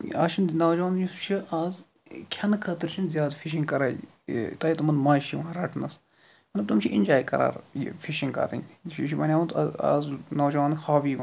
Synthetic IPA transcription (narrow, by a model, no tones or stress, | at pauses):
a̰ːʃʰinnɐːd͡ʒaːnjust͡ʃʰiʔaːz | kʲʰɐnkʰɐt̪ɾt͡ʃʰinzjaːd̪fʰiʃ̬ĩŋɡkɐɾaːj | t̪ɐit̪ɐmɐnmaːʃiʋãːɾɐʈʰnɐs | mɐt̪lɐb̚t̪umt͡ʃʰiʔinʲd͡ʒaːjkɐ̰ɾa̰ːɾjḭfʰiʃĩŋkɐ̰ɾḭniʃʰibɐnʲaːut̪a̰ːznɐːd͡ʒaːnʲhaːbiːʋɐn